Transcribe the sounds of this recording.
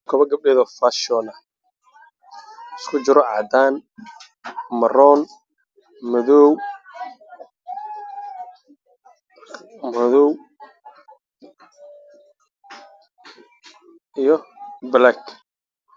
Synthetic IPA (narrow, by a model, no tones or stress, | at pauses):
kʰɔβɐɡɐb̚ɖɛːðɔfaʃɔnɐ | ɪskʰʊt͡ʃɪɾɔʕɑ̰d̪aːn | mɐrɔːn | mɐðɔw | mɐðɔw | ijɔblak